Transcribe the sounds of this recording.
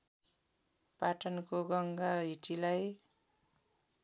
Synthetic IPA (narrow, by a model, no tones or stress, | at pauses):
paʈʌnkoɡʌŋɡaɦiʈilaj